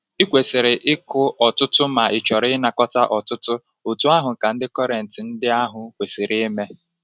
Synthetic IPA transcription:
ɪ˦kʷe˨si˨ɾɪ˨ʔɪ˦kʊ˦ɔ˨tʊ˦tʊ˦ma˨ɪ˨t͡ʃɔ˨ɾɪ˦na˨kɔ˦ta˦ʔɔ˨tʊ˦tʊ˦ | o˨tu˦a˦ɦʊ˨ka˨n̩˦dɪ˦kɔ˦ɾe˨n̩˨tɪ˨n̩˦dɪ˦a˦ɦʊ˨kʷe˨si˨ɾɪ˦me˦

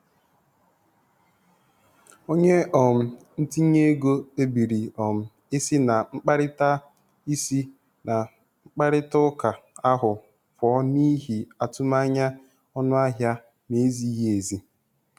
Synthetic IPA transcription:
o˦ɲe˦ɔ˨m̩˨n̩˦ti˦ɲe˦ɡo˦e˦bi˨ɾi˨ɔ˨m̩˨ | e˦sɪ˦na˨ŋ͡m̩˦k͡pa˦ɾɪ˦ta˦ | i˦si˦ | na˨ | ŋ͡m̩˦k͡pa˦ɾɪ˦tʊ˦ka˨a˦ɦʊ˨ | fɔ˨˦ni˦ɦi˨a˨tʊ˦ma˦ɲa˦ | ɔ˦nʊ˦a˦ɦja˦ | me˦zi˦ɦi˦e˨zi˨

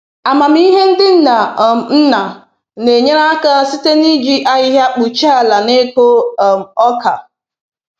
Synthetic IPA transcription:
a˨ma˨m̩˦i˦ɦe˦n̩˦dɪ˦n̩˦na˨n̩˦na˨ | ne˨ɲe˦ɾa˦a˦ka˦si˦te˦ni˦d͡ʒi˦ʔa˦ɲɪ˦ɦa˦k͡pu˨t͡ʃa˦a˨la˨ne˦k͡po˦˨m̩˨ɔ˦ka˨

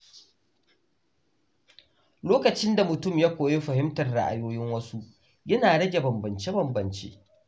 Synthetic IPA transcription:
loː˦kɐ˨t͡ʃɪ˦nda˨mʊ˨tʊ˦˨mjaː˦kʷoː˨je˦ɸɐ˨hɪ˦mtɐ˨rɽa̰˦ʔa̰˨joː˦jɪ˦ŋwɐ˦su˦ʔ | jɐ˦naː˨ɽɐ˦d͡ʒe˨bɐ˨mbɐ˨nt͡ʃe˦bɐ˨mbɐ˨nt͡ʃḛː˦

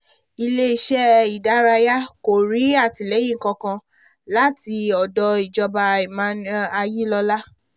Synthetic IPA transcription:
i˧le˦i˦ʃɛ˦i˨da˨˦ɾa˧ja˦ko˨ɾi˨˦a˦˨ti˨lɛ˨˦j̃ĩ˦˨ŋ̩˨kã˧kã˧ | la˨˦ti˧ɔ˨dɔ˧i˨d͡ʒɔ˧ba˧i˨mã˦n˦a˧ji˦lɔ˧la˦

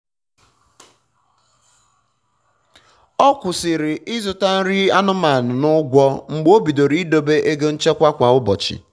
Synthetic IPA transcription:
ɔ˦kʷʊ˨sɪ˨ɾɪ˨ʔɪ˦zʊ˨ta˦n̩˦ɾi˦a˦nʊ˦ma˨nʊ˨nʊ˦ɡʷɔ˦ŋ͡m̩˨ɡ͡bo˦bi˨do˨ɾi˦i˦do˨be˦ʔe˦ɡe˦n̩˦t͡ʃe˦kʷa˦kʷa˨ʊ˦bɔ˨t͡ʃɪ̰˨

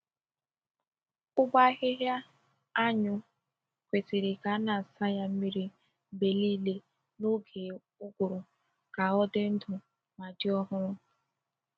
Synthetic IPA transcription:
kʊ˦ɡ͡ba˦ɣɪ˦ɦja˦ | a˦ɲʊ˦ | kʷe˨si˨ɾɪ˨ka˨˦na˨sa˦ja˦m̩˦mi˦ɾi˦˨ | be˨liː˦le˦ | no˦ɡe˨ | ʊ˦ɡʊ˨ɾʊ˨ | ka˨ɔ˦dɪ˦n̩˦dʊ˨ | ma˨dɪ˦ɔ˦ɦʊ˦ɾʊ˦

